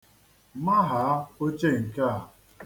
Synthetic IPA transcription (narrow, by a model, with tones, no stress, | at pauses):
ma˦ɦa˨˦o˦t͡ʃe˦˨ŋ̩˨ka˦a˨